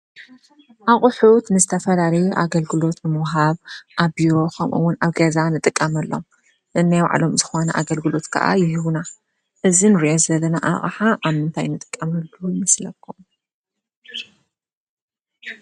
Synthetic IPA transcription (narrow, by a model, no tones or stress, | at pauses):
ʔaχʼħut̪nɨzɨt̪ʰɐfɐlalɐjuʔaɡɐlɡɨlo̞t̪nɨmɐwɦaβʔaβbiɾo̞kʰɐmʔṵwːʊnaβɡɐzanɨt̪ʼɨkʼːɐmɐlːo̞̰m | ʔɨnːajwa̰ʕlo̞mzɨxo̞nɐʔa̰ɡɐlɡɨlo̞t̪kʰɐ̰ʔa̰jɪɦɨβna | ʔɨzinɨɾiʔo̞zɐlːɐnaʔa̰χʼħaʔaβmɨnt̪ʰajnɨt̪ʼɨ̥kʼːɐmɐlːujɪmɐslɐkʰːu